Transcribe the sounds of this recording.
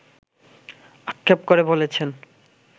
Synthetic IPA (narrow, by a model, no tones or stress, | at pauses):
akʰːep̚koɾebolet͡ɕʰen